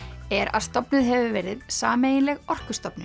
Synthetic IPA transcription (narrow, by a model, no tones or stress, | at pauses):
ɛɾa̰ðst̪ɔpnʏðɦɛvʏvɛɾɪðsaːmeːjɪnlɛɣɔr̥kʏ̥st̪ɔpnʏ